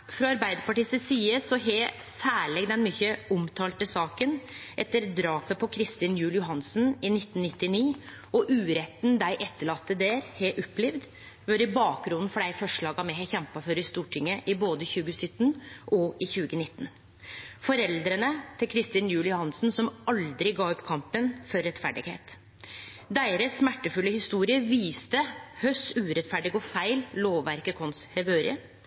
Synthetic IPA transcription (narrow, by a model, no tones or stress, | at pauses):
fɾɔɑɾbæɪd̪əpɑʈiːst̪əsiːəsɔɦɛ | sæːɭɛɡd̪ɛnmyːçəʊmt̪ʰɑːlt̪əsɑːkənʔɛt̪ːəɾd̪ɾɑːpəpʰɔkʰɾɪst̪ɪːnjʉːlɪjʊɦɑnsn̩ɪnɪt̪ːnnɪt̪ːɪniː | ɔʔʉːɾɛt̪ːnd̪æɪʔɛt̪ːəɭɑt̪ːəd̪eːɾheʔɔpːlɪʋd̪ | ʋɔɾɪbɑːk̚ɡɾʊnn̩fɔɖæɪfɔʂɭɑːɡɑmɛhɛçɛmpɑføːɾəɪst̪uːʈʰɪŋːəʔɪboːd̪əçʉːɡəsʏt̪ːnʔɔʔɪçʉːɡənɪt̪ːn | fɔɾɛld̪ɾənət̪ʰɪlkʰɾɪst̪ɪnjʉːlɪʊhɑnsn̩sɔmɑld̪ɾɪɡɑːɔpːkʰɑmpənfɔɾːɛt̪fæ̰ɖɪ̰ɡhḛːt̪ | d̪æɪɾəsːmæʈːəfʉlːəhɪst̪uːɾɪəʋiːst̪əhœsʉːɾɛt̪fæɖɪɡɔfæɪlloːʋːæɾkəkʰɔnshɛʋʉːɾɪ̰ə